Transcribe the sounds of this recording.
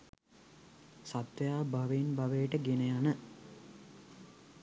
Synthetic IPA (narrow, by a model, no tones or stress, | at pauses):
sat̪ʋəjaːbaʋenbaʋejʈəɡenəjanə